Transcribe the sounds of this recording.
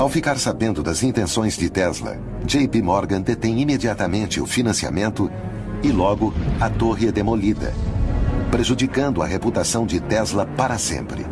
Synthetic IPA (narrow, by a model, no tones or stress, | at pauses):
awfikaɾsabẽnd̪ʊd̪ɐzĩnt̪ẽsõj̃zd͡ʒɪt̪ɛzlɐ̰ | d͡ʒejpimɔɾɡɐ̃d̪et̪ẽj̃imed͡ʒiat̪ɐmẽnt͡ʃɪʊ̰finɐ̃sia̰mẽnt̪ʊ | ɪlɔɡʊɐt̪oɦiɛd̪emolid̪ɐ̰ | pɾeʒud͡ʒikɐ̃nd̪ʊɐ̰ɦeput̪asɐ̃w̃d͡ʒɪt̪ɛzlɐpaɾɐsḛ̃mpɾɪ̰